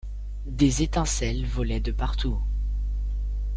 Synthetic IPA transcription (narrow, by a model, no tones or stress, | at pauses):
d̪ezet̪ɛ̃sɛlvɔlɛd̪əpaʁt̪u